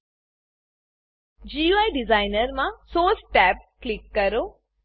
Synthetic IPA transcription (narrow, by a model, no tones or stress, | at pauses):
d͡ʒiajɖɪzaːjnəɾmãsoːsʈɛːp̚klikːɐɾo